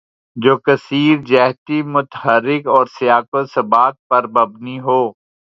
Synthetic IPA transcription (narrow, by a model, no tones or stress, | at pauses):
d͡ʒoːkɐsiːɾd͡ʒɛɦt̪imʊt̪ɦəɾːɪkɔːɾsɪjaːkʊsɐbaːt̪̚pɐɾbɐbniɦoː